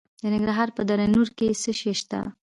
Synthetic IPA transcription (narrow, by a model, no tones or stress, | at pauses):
d̪ənɪŋɡɾɑɦɑɾpəd̪aɾanuɾkesəʃeʃt̪a̰